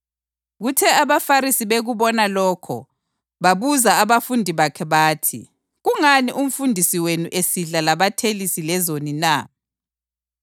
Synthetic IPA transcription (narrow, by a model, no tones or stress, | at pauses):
ɣutʰɛaβafaɾisiβeɣuβɔnalɔːkʰɔ̰ | βaβuzaaβafundʱiβakʰɛβaːtʰḭ | ɣuŋaniʔum̩fundʱisiwenuʔesiɮalaβatʰelisilɛzonina